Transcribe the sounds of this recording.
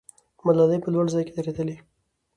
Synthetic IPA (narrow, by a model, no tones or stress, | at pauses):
malɑləjpəlwaɽzɑjked̪aɾed̪əli